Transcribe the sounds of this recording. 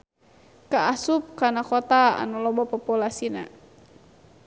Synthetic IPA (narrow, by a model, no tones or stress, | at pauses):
kaasup̚kanakɔt̪aa̰nalɔbɔpɔpulasina̰